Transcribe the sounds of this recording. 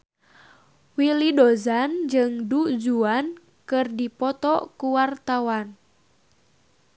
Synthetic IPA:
wilidozand͡ʒɨŋdud͡ʒuan | kɨrdipɔt̪ɔkuwart̪awan

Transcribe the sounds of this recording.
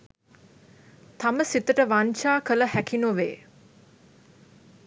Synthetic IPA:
t̪aməsit̪əʈəʋanʃaːkələhækinoʋḛː

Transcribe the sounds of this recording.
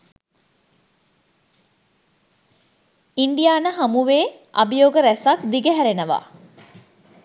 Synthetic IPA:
iɳɖijaːnəɦamuʋeː | a̰bijoːɡəɾæsakd̪iɡəɦæɾenəʋa̰ː

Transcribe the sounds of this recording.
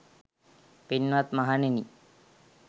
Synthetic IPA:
pinʋat̪maɦaneni

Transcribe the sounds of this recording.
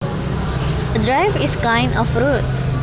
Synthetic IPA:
ədɾaɪviskãɪ̃nɔfɾut̚

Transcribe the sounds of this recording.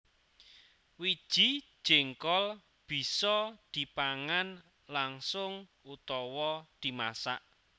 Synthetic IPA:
wid̥ʒ̥i̤̥ | ʒ̥ɪŋkɔl | b̥i̤sɔd̪̥i̤paŋan | laŋsʊŋ | ut̪ɔwɔd̪̥i̤ma̰saʔ

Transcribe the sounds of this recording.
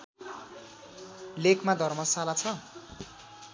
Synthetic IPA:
lekʰmad̪ʱʌrmʌsalat͡sʰʌ

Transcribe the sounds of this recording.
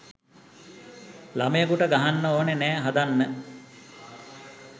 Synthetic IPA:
lamejəkuʈəɡaɦanːəoːnenæːɦad̪anːə

